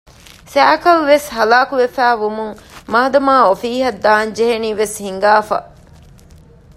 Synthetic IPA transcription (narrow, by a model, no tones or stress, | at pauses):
sæːkɐlʋeshɐlaːkuʋefæːʋumuŋmaɦɐd̪ɐmaːofiːɦɐd̪ːaːnd͡ʒeɦeniːʋeshiŋɡaːfɐ̰